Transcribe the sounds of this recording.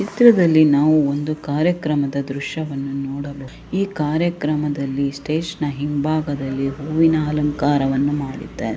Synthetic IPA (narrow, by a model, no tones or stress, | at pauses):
t͡ʃit̪ɾɐd̪ɐlːinaːʋuond̪ukaːɾjɐkɾɐmɐd̪ɐd̪ɾuʃjɐʋɐnːunɔːɽɐbo | iːkaːɾjɐkɾɐmɐd̪ɐlːisʈeːʂɐnɐɦimbʱaːɡɐd̪ɐlːiɦuːʋinaːlɐŋkaːɾɐʋɐnːumaːɽḭt̪ːaː